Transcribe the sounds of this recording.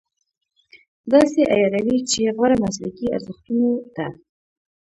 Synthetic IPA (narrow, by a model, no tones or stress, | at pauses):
d̪ɑseʔa̰jɑɾawit͡ʃeɣwaɾamaslakia̰ɾzɪxt̪unot̪a